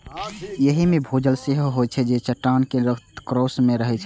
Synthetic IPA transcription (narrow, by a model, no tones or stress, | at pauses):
jəɦimebʱod͡ʒəlseɦoɦot͡ʃʰɛd͡ʒet͡ʃəʈːankeɾəkʰt̪kɾosmeɾəɦɛt͡ʃʰɛ